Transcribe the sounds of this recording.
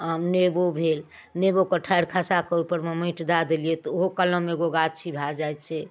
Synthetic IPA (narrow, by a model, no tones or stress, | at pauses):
əmnebobʱel | nebokəʈʰaɾkʰasakəupəɾməmĩʈd̪ad̪elijet̪ɔoɦokələmeɡoɡad͡ʒ̚t͡ʃʰibʱad͡ʒajt̪t͡ʃʰɛ